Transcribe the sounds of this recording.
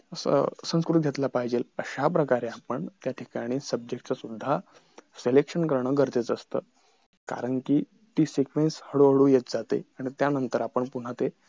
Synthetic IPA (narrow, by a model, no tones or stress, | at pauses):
əsə̰sə̃w̃skɾut̪̚ɡʱet̪lapaɦid͡ʑeləɕapɾəkaɾeapəɳt̪jaʈʰikaɽ̃iːsəb̚d͡ʑek̚ʈt͡sasud̪ʱːa | selekʂənkəɾɳəːɡʱəɾt͡set͡səst̪ə̰ː | ka̰ɾəɳkiː | t̪iːsikʋenshəɽoɦəɽujet͡sd͡zat̪ḛaɽ̃it̪janənt̪əɾapəɳpun̤at̪e